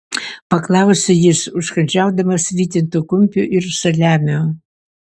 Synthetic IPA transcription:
pɐklˠɑʊsʲejɪsʊʃkɐnʲd͡ʒʲæʊd̪ɐmɐsʋʲiːt̪ʲɪnt̪ukʊmʲpʲʊʔɪrsɐlʲæːmʲo

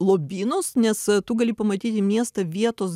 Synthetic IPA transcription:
lˠoːbʲiːnoːsnʲɛst̪uɡɐlʲipɐmɐt̪ʲiːt̪ʲɪmʲiɛst̪ɐʋʲiɛt̪oːs

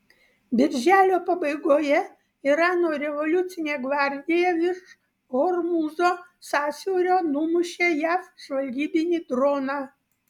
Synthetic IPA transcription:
bʲɪrʲʒʲælʲɔpɔbɛjɡɔjɛ | iɾɑnɔɾʲɛʋɔlʲut͡sʲijnʲɛɡʋarʲdʲijaʋʲiʃ | ɦɔrmuzɔsasʲiɔɾʲɔnumʊʃɛjafʃʋɐlʲɡʲibʲinʲid̪ɾɔna

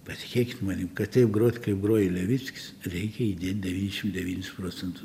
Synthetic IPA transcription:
pɐsʲɪ̥kʲeːkʲɪt̪mɑːnʲikɐt̪t̪ʲɐɪpɡɾoːt̪ʲkɐɪpɡɾoːjɪlʲɛʋʲit͡sʲkʲɪ̥srʲɛɪkʲɛid̪ʲeːt̪̚ʲdʲɛʋʲiːnʲɛʃʲɪmd̪ʲɛʋʲiːnʲɪsproːt͡sʲɛnt̪ʊs

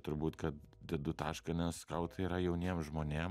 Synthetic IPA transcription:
t̪ʊɾbuːt̪kɐt̪̚d̪ʲɛd̪ʊt̪ɑːʃkɐnʲɛskɐʊt̪ɐiːɾɐjɛʊnʲiɛmʒmoːnʲeːm

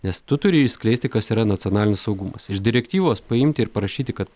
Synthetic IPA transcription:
nʲɛst̪ʊt̪ʊɾʲɪɪʃsʲklʲɛɪsʲt̪ʲɪkɐsiːɾɐnɐt̪sʲɪɔnɑːlʲɪnʲɪssɒʊɡʊmɐsɪʃd̪ʲɪɾʲɛkt̪ʲiːʋoːspɐɪmʲt̪ʲɪːɾpɐɾɐʃʲiːt̪ʲɪkɐt̪

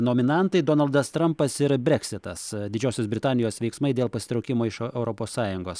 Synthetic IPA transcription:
noːmʲɪnɐnt̪ɐɪd̪oːnɐlˠd̪ɐst̪ɾɐmpɐsɪɾbʲɛksʲɪt̪ɐsd̪ʲɪd͡ʒʲoːsʲoːsbʲɾʲɪt̪ɑːnʲɪjoːsʋʲɛɪksmɐɪd̪ʲeːlˠpɐsʲɪ̥t̪ɾɐʊkʲɪmoːɪʃɛʊɾoːpoːssɑːjʊŋɡoːs

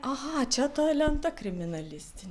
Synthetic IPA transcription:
ʔaɦat͡ʃʰat̪ajlʲand̪akɾiminalʲist̪ʰin

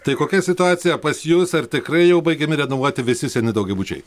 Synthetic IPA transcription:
t̪ɐɪkoːkʲɛsʲɪt̪ʊɑːt̪sʲɪjɛpɐsjusɐrt̪ʲɪkɾɐɪjɛʊbɐɪɡʲɛmʲɪɾʲɛnoʋuɔt̪ʲɪʋʲɪsʲɪsʲɛnʲɪd̪ɐʊɡʲɛbuːt͡ʃʲɛ̰ɪ

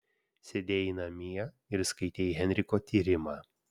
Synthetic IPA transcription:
sʲɛd̪ʲeːinɐmʲiɛ | ɪɾskɐɪt̪ʲeːiɦʲɛnʲɾʲɪkoːt̪ʲiːɾʲɪmɑː

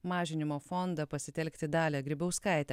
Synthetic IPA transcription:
mɑːʒʲɪnʲɪmoːfɔnd̪ɐpɐsʲɪt̪ʲɛlʲkʲt̪ʲɪd̪ɑːlʲɛɡɾʲɪbʲɛʊskɑˑɪt̪ʲɛ

